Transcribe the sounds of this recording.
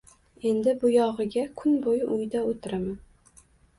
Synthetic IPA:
e̞nd̪ɪbʊjɒʁɨɡʲakʰʊnbojɪʔʊjd̪aot̪ʰɪɾaman

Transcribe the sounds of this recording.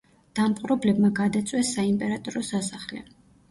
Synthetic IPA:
d̪̥ampqʼɾɛblɛbmaɡad̪at̪sʼwɛsːaimpʼɛɾat̪ʼɔɾɔsasaχlɛ̰

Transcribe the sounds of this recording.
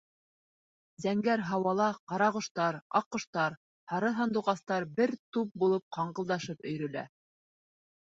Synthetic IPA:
zæŋɡæɾɦɑwɑlˠɑqɑɾɑʁŏʃt̪ɑɾɑ̰qːŏʃt̪ɑɾ | hɑɾɤθɑnd̪uʁɑst̪ɑɾbɘɾt̪up̚bulˠɤp̚qɑɴɢɤ̆lˠd̪ɑʃɤpɵ̆jɾɵ̆læ̰

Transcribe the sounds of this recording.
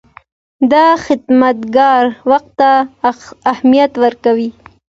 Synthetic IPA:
d̪ɑxɪd̪mat̪ɡɑɾwaxt̪ːaː | hmijat̪wəɾkawi

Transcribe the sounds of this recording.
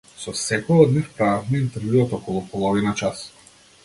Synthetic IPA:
sɔsɛkɔjɔd̪nifpɾavafmɛint̪ɛɾvjuɔt̪ɔkɔlˠupɔlˠɔvinat͡ʃas

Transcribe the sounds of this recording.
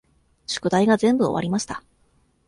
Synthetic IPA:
ɕo̥kɯ̟d̪aiɡazẽ̞mbɯo̞βa̰ɾʲimaɕi̥t̪a

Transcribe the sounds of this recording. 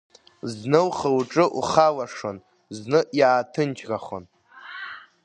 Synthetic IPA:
znɨwχəwʈ͡ʂʼɨʔṵχawaʂon | znɨʔjaːtʰɨnt͡ʃʰɡaχo̰n

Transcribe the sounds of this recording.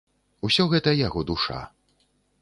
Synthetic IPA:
usʲɔɣɛt̪ɐjaɣɔd̪uʂa̰

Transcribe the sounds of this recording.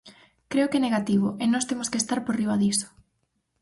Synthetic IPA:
kɾeʊkɛneɣat̪iβʊenɔst̪emʊskest̪aɾpoɾriβaðisʊ̥

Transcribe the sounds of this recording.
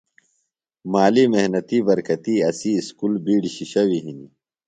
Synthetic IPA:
maːlimeɦnɐt̪ibɐɾkɐt̪iɐsiːskulbiːɽɕiɕɐwiɦini

